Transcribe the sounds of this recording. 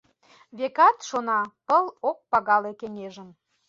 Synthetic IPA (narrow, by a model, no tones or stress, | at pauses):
βekɑt̪ʃonɑpəlok̚pɑɣɑlekeŋʲeʒə̆m